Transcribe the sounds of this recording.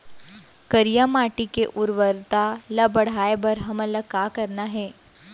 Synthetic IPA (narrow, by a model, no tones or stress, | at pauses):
kəɾijamaʈikeʔuɾʋəɾt̪alabəɽ̤aebəɾɦəmələkakəɾnaɦɛː